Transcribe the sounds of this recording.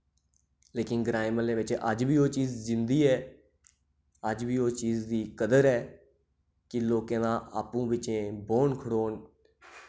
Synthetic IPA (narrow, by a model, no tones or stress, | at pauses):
leːkɪnɡɾaːɪməlẽːʋɪt͡ʃə̰d͡ʒbiːoːt͡ʃiːzzɪnd̪iːɛː | əd͡ʒbiːoːt͡ʃiːzd̪iːkəd̪əɾɛː | kɪloːkẽːd̪ãːʔa̰ːpũːʋɪt͡ʃẽːboːɳkʰəɽoːn